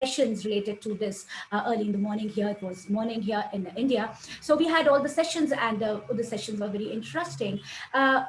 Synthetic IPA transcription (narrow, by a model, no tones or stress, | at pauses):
ɛʃə̃nzɾɪleːʈɪɖ̚ʈud̪ɪsɜːliɪ̃nd̪əmɔːnɪ̃ŋɦiəɪtʋɔzmɔːnɪ̃ŋɦiəɾɪ̃nɪ̃nɖia | soːʋiːɦæɖɔːlˠd̪əsɛʃə̃nzæ̃ɳɖd̪əsɛʃə̃nzʋəʋɛɾiʔɪ̃nʈəsʈɪ̃ŋ